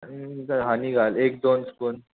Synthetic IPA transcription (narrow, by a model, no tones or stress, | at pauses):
d͡zaɦaniɡʱalek̚d̪onskuːn